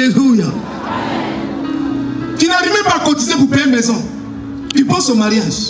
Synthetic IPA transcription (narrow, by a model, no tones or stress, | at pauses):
eluja | finaɾimebakotizekupemezɔ | piposomaɾias